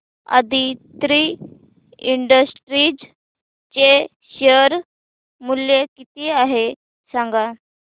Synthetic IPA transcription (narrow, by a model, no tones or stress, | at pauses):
a̰d̪it̪ɾi | iɳɖəsʈɾid͡z | t͡ɕe | ɕəɾ | muljekit̪iaɦe | sãŋɡa